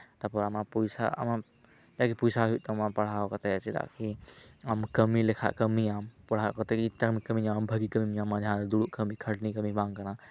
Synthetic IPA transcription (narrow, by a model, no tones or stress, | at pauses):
t̪ɐpɐɾəmãpujsa̰ə̰mã | d͡ʒakipujsaɦuʔt̪əmãpɐɽ̤aːokət̪et͡ʃid̪a̰kʰiəmkəmilekʰa̰ʔkəmiaːmpɐɽ̤aːokət̪ekiamikəmiãːmbʱəɡikəmimãmãd͡ʒʱãːd̪uɽuʔkəmikʰəʈnikəmibãːŋkəɾã